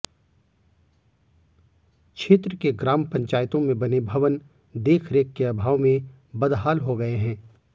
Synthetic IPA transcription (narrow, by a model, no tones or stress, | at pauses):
kʃʰeːt̪ɾəkeɡɾaːmpɐ̃ɲt͡ʃaːjt̪õmẽbɐnebʱɐʋən | d̪eːkʰɾeːkːeɐbʱaːʋmẽ | bɐd̪ɦaːlɦoɡɐeɦɛ̃ː